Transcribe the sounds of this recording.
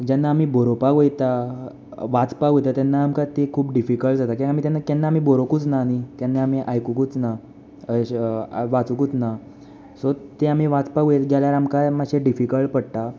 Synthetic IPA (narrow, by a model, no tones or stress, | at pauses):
d͡ʑanːaːmiːboɾopaɡojt̪a | ʋat͡spaɡojt̪at̪janːaːmkat̪ekʰuːpɖifikəɭʈd͡zat̪akĩamit̪janːakɛnːaːmiːboɾokuːt͡snanit̪janːaamiːʔajkukut͡sna | ʋat͡sukut͡sna | sot̪eam̤iːʋat͡spaɡojet̪ɡaljaɾamkajmaɕeɖifikəɭpəɽt̪a